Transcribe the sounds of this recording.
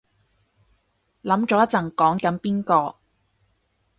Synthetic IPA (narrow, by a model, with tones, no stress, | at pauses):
lɐ˨˥mt͡ʃɔː˨˥jɐ˥t͡sɐ˨˩ŋkɔː˨˥ŋkɐ˨˥npiː˥nkɔː˧